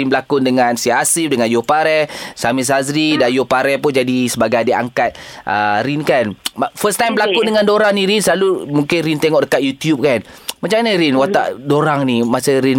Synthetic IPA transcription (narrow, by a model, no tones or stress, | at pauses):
inbəlakʊndəŋansiaasifdəŋanjopaɾɛsamis̬azɾidajopaɾɛpʊnd͡ʒadisəbaɡajdia̰ŋkat̪̚ʔə̰ɾinkanafəst̪ajmbəlakʊndəŋãndoɾaŋnĩɾinsəlalumuŋkɪnɾint̪eŋɔʔdəkat̪̚jut̪jup̚kanmat͡ʃamanaɾinwat̪a̰ʔdoɾaŋnimasəɾin